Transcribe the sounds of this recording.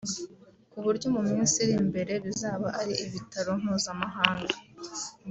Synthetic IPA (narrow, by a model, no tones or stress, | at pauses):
kuβuɾɟo̞mumiːnsiɾimbe̞ɾe̞βizaːβaʔaɾiʔiβitaɾo̞nhuːzamaɦaːŋɡa